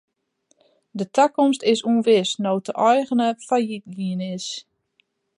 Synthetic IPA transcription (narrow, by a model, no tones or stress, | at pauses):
dətʰakɔmstɪsuənʋɪsnowtəʔɔjɣənəfajit̚ɡiənɪs